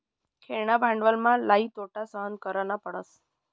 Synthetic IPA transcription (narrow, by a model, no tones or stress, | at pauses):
kʰeɭɳabʱãɳɖʋəlmãlait̪oʈasəɦənkəɾənapəɽəs